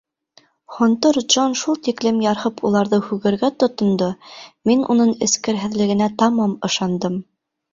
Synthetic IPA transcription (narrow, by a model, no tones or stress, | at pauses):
χŏnt̪ɤɾd͡ʒonʃulˠt̪iklɘmjɑɾhɤpulˠɑɾðɤhʉɣɘ̆ɾɡæt̪ŏt̪ŏnd̪ɤminṵnɤɴɘ̆skɘ̆ɾɦɘ̆ðlɘ̆ɡɘ̆næt̪ɑmɑmɤ̆ʃɑnd̪ɤm